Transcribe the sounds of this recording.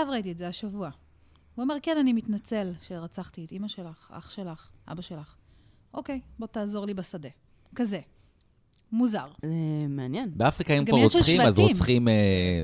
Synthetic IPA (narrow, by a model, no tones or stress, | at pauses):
ʃavʁait̬ietzeaʃavua | uome̞ʁke̞nanimitnat͡se̞lʃe̞ʁat͡saχt̪ietimaʃe̞laχa̰χʃe̞laχʔa̰baʃelaχ | ʔo̞ke̞jbo̞taːzo̞ʁlibesade̞ | kaze | muzaʁzemeanjɛnbeafʁikaimkɡvaʁoʃχimazʁot͡sχime